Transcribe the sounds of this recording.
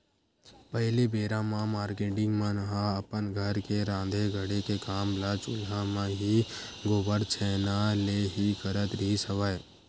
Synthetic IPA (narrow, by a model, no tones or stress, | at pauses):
pəɦɪlibeːɾãmãmaːɾkeːʈɪ̃ŋɡmãnɦãəpənɡʱəɾkeɾãːd̪ʱeɡʱəɽekekaːmlat͡ʃʊlɦãmãɦi | ɡoːbəɾt͡ʃʰɛːnaleɦikəɾət̪ɾəɦisəʋaːe